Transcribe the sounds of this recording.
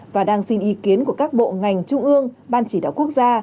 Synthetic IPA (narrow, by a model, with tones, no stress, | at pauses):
vaː˨˩ɗaː˧ŋsi˧nʔi˨˦ki˨˦ənku˧˩əkaː˦˥k̚ɓo̰˧˨ŋa˨˩jŋ̟t͡ɕʊ˧ŋ͡mʔɨ˧əŋɓaː˧nt͡ɕi˧˩ɗa̰ː˧˩wku˦˥ək̚zaː˧